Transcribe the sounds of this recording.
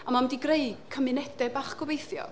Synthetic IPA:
amamdiɡreɨ̥kʰəmɨnɛdɛbaːχɡ̥ɔbejθjɔ̰

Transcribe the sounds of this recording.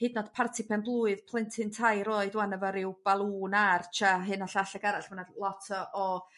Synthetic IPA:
hednɔd̥pʰartʰipʰɛnblˠuːɨðpʰlˠɪntʰɪntʰajɾoːɨdwanəvɔɾɪwb̥alˠuːnart͡ʃʰaɦɨnaɬaɬɛɡaɾaɬmanalˠɔtʰɔʔɔ

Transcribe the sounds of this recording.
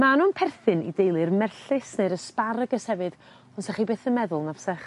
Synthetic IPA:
manunpʰɛrθɨnḭdejlˠɨrmɛrɬɨsneɾəspaɾəɡəshɛvɨd̥ | ɔnsaχibeːθənmɛðʊlˠnavsɛχ

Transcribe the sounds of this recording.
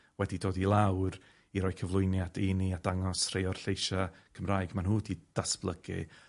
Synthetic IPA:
wɛdidoːdilˠawr | iɾɔːjkʰəvlˠʊɨnjadiniadaŋɔsr̥ejɔr̥ɬejʃakʰəmraːjɡmanɦuːdid̥asb̥lˠəɡ̥ḭ

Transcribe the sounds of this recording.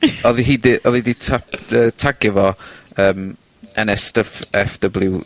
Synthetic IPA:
ɔðiɦiːdiʔɔðiditʰapəːtʰaɡɛvɔəːm | ɛnɛstəfɛfdəblˠɪw

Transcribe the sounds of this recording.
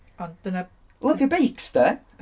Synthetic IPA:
ɔnd̪̥ənə | lˠəvjəbejksdə

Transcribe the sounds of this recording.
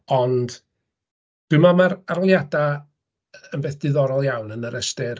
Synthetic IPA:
ɔnd̥ | d̥umamaɾarlˠjada | ənbɛːθd̥ɪðɔɾɔlˠjawnənəɾəstɪr

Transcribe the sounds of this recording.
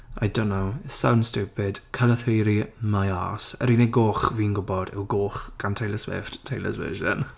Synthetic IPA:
ʔa̰jdoʊ̃nːowɪsãwnd̥stuːpɪd̥kʰələθɹiːɾimaja̰ːsə̰ɾiːneɡoːχviːnɡʊbɔdɪ̰wɡoːχɡ̥antʰejləswɪ̰fttʰːeɪlə̰zvə̰ːʒə̰̃n

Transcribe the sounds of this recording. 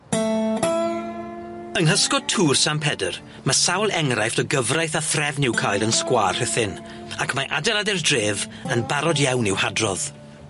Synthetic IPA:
əŋɦəskɔd̚tʰuːrsampʰɛdər | masawlˠɛŋrajθdɔɡəvrajθaθrɛvnɪwkʰajdənskwaːr̥hɛθɪn | akʰmaʔa̰dɛlˠadɛrdreːv | ənbaɾɔdjawnɪwhadrɔð̥

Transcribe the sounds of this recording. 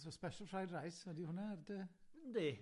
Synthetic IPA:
sɔspɛʃəlˠfrajdrajsədihʊnardene

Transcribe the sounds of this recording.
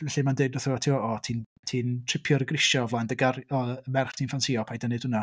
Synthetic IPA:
vɛɬimandeɨdnɔθuwatʰiɔɔtʰiːntʰiːntʰr̥ɪpʰjɔɾəɡrɪʃɔvlˠandəɡaɾɔəmɛrχtʰiːnfansiːɔpʰajdənɨd̥hʊna

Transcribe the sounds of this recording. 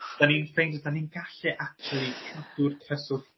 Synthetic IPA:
d̥aniːnfejndədaniːnɡaɬɛʔak̚t͡ʃulˠikʰad̥ʊrkʰrəsʊð

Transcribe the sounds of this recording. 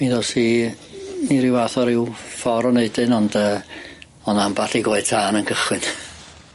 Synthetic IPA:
miðɔsi | niɾɪwaθɔɾɪwfɔɾɔneɨdɨnɔndəː | ɔnambaɬiɡwoɨ̥tʰaːnənkʰəχwɨn

